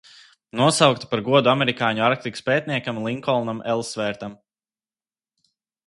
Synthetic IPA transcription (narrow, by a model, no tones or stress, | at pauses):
nuɔsawkt̪ḁpaɾɡuɔd̪uamɛɾikaːɲuaɾk̚t̪ikspʲɛːt̪̚ʲniɛkamlˠiŋkɔlˠnamɛlˠsvɛːɾt̪am